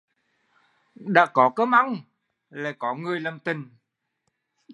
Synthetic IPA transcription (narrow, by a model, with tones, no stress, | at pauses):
ɗa̰ː˧˥kɔ˨˦kəː˨˦ma˧˨ŋ | le˨˩kɔ˨˦ŋɨ˨˩əjlə˨˩mt̪ï˨˩ŋ